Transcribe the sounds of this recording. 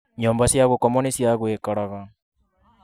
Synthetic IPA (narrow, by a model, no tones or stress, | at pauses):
ɲoːmbasjaɣokomonesjaɣweːkaɾaɣa